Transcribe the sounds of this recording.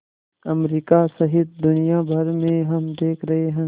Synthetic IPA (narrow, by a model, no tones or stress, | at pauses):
ɐmɾiːkasɐɦɪt̪̚d̪ʊnijabʱɐɾmẽɦɐmd̪eːkʰɾɐɦeɦɛ̃